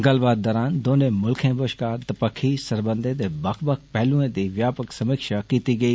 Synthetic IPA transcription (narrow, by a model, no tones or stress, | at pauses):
ŋɡaːlbaːd̪̚ːɐɾaːnd̪oːnẽmʊlkʰẽbəʃkaːɾt̪ɐpəkʰisɐɾbə̃nd̪ʱet̪ebakʰbək̚pɛɦlũẽd̪iːʋjaːpəksɐmikʃakiːt̪iɡɐiː